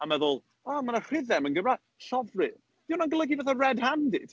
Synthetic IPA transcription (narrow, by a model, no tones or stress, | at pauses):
amɛðʊlˠ | amanar̥ɪðɛmənɡəmra | ɬɔvrɨ | d̥iwnanɡəlˠəɡivaθarɛdhandɪ̰d̥